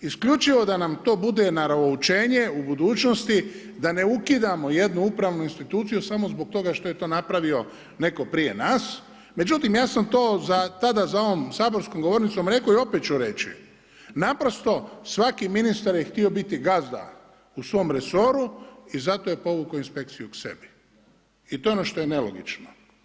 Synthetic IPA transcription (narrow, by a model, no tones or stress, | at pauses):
iskʎʲut͡ʃiʋo̞d̪anamt̪o̞ːbud̪e̞naɾaout͡ʃeːɲe̞ubud̪uːt͡ʃnost̪i | d̪ane̞ukid̪amo̞je̞d̪nuupɾaʋnuinst̪it̪uːt̪sijusamo̞zbok̚t̪o̞ɡaʃt̪o̞je̞t̪o̞ːnapɾaʋio̞ | ne̞ko̞pɾije̞̰naːs | me̞d͡ʒut̪imjaːsamt̪oːzat̪ad̪azao̞ʋomsaːboɾskomɡo̞ʋo̞ɾnit̪somɾe̞ko̞io̞pet̪̚t͡ʃuɾe̞t͡ʃḭ | napɾo̞st̪o̞sʋakiminist̪aɾjext̪io̞bit̪iɡazd̪a̰ | usʋo̞mɾe̞so̞ɾuizat̪ojepo̞ʋukoinspe̞k̚t̪sijukse̞̰bi | it̪oeo̞noʃt̪o̞jene̞lo̞̰ɡit͡ʃno